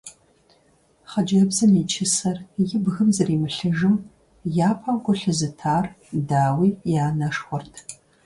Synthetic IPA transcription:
χɐd͡ʒɐbzɨniːt͡ʃʰɪsɐrjɪbɣɨmzɐriːmɨɬɨʒɨm | jaːpʰaːɡʷʊɬɨzɨtʰaːr | daːwiːjaːnɐʂχʷʊrtʰ

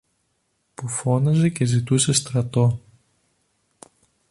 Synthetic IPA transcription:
pufo̞nɐze̞ce̞zit̪use̞st̪ɾɐt̪o̞

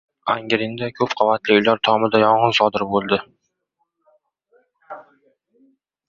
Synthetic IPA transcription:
aŋɡʲɾɪnd̪akʰɵpqʰovat̪lɪʊjlaɾt̪ʰɒmɪd̪ajɒɴʁɨnsɒd̪ɪɾbolˠd̪ɪ

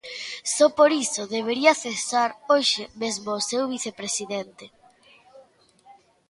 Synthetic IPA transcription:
sɔpoɾisoðeβ̞eɾiɐθesaɾoʃemezmoːsewβiθepɾesiðent̪e

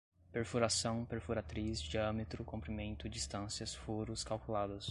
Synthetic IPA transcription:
peɾfuɾasɐ̃w̃peɾfuɾat̪ɾisd͡ʒiɐ̃met̪ɾʊkõmpɾimẽnt̪ʊd͡ʒist̪ɐ̃siɐsfuɾʊskawkulad̪ɐs

